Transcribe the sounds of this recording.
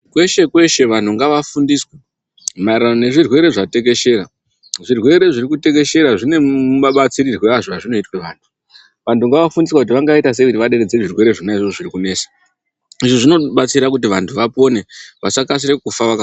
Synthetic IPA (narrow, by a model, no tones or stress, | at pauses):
kwe̞ʃe̞kwe̞ʃe̞ʋantuŋɡaʋafundiswe | maiɾanone̞ʐirwe̞ɾe̞ʐate̞ke̞ʃe̞ɾa | ʐirwe̞ɾe̞ʐiɾikute̞ke̞ʃe̞ɾaʐine̞muɓaɓat͡siɾirweaʐoaʐino̞itweʋaːntʰu̥ | ʋantuŋɡaʋafundiswakut̬iʋaŋɡaitas̬e̞ʋiɾiʋaɗe̞ɾed͡zeeʐirwe̞ɾe̞ʐinaiʐoʐirikune̞ːsḁ | iʐiʐino̞ɓat͡siɾak̬ut̬iʋantʰuʋapo̞ne̞ʋasakas̬iɾe̞kufaʋaka